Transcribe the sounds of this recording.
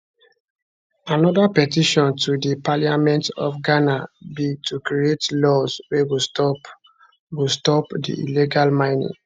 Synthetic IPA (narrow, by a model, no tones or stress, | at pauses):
anɔdapɛtiʃɔ̃ntʰudipaliamɛ̃ntɔ̰fɡanabitukɾietlɔswewi | wistɔpdḭʔḭliɡalmãɪnḭ̃ŋ